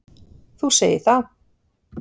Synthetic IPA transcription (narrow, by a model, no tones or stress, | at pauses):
θuseːjɪθað